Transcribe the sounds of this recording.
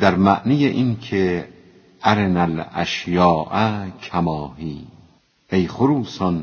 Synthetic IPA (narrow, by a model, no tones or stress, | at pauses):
d̪̥æɾmæʔnijeʔinkʲʰe | ʔæɾenælæ̰ʃjɒːʔækʰæmɒːɦiː | ejχoɾuːsɔn